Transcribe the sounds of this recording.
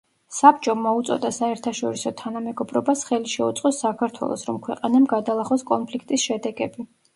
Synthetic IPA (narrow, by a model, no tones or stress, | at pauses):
sap̚t͡ʃʼɔmɔut̪sʼɔ̰d̪asaɛɾt̪ʰaʃɔɾisɔt̪ʰanamɛɡɔbɾɔbasχɛliʃɛṵt̪sʼqʼɔsːakʰaɾt̪ʰwɛ̰lˠɔ̰sɾɔmkʰwɛqʼanamɡad̪alˠaχɔskʼɔnpʰlikʰt̪ʼisʃɛd̪ɛɡɛbi